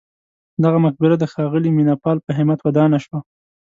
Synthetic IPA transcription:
d̪aɣamʊxbɪɾad̪əxɑɣəliminapɑlpəɦɪmat̪wad̪ɑnaʃwa

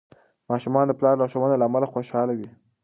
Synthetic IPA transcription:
mɑʃumɑnd̪əplɑɾlɑʃowanalaːmalaxoʃɑlawi

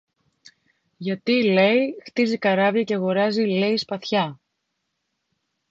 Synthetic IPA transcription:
ʝɐt̪ile̞jixt̪izikɐɾɐviɐceɣo̞ɾɐzile̞ispɐθçɐ

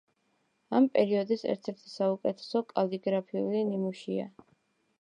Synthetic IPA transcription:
ampʼɛɾiɔd̪isɛ̰ɾt̪ʰɛɾt̪ʰi̥saukʼɛt̪ʰɛ̥sɔkʼaliɡɾapʰiṵlinimuʃia̰

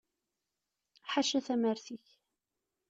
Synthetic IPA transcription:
ħaʃæθæməɾθiç

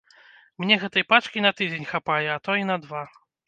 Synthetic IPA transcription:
mnʲɛɣɛt̪ɐjpat͡ʂkʲinɐt̪ɨd͡zʲenʲxapajɛːt̪ɔinɐd̪va

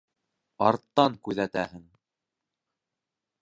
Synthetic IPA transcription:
ɑɾt̪ːɑŋkʉðæt̪æhɘŋ

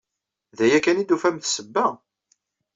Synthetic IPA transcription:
ðæjækænid̪ufæmθsəbːæ

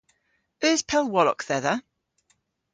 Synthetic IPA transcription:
œːspʰɛlˠwɔlɔ̰kθɛðə

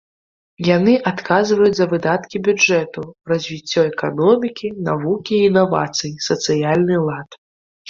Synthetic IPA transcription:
janɨʔat̪kazvɐjud͡zʲzɐvɨd̪at̪kʲibʲud͡ʐɛt̪urɐzʲvʲit͡sʲːɔɛkanɔmʲikʲinavukʲiːnava̰t̪sɨjisɐt̪sɨjalʲnɨlˠat̪

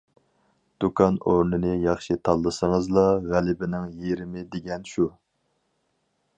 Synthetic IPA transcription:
d̪̥ukʰɑnoɾnɨnɨjɑχʃit̪ʰɑlˠːɨsəŋəzlˠɑʁælɪbɪnɪŋjeɾɪmɪd̪eɡʲɛnʃu

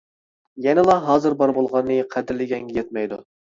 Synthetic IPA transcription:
jɛnɨlˠɑɦɑːzɨɾbɑɾbolˠʁɑnːɨqʰæd̪ɪɾlɪɡʲɛŋɡʲɛjɛt̪̚mɛjd̪u

